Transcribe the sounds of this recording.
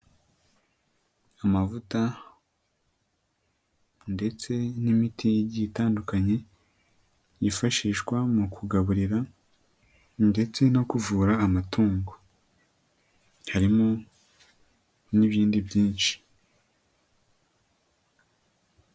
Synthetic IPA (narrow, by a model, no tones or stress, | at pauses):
amavuta | nde̞t͡se̞nimitʰijɟitaːndukaɲe̞ | jifaʃiːʃkwamukʰuɡaβuɾiɾa | nde̞t͡se̞no̞kuvuːɾaːmatʰuːŋɡo | haɾimo | niβiːndibjiːnʃi̥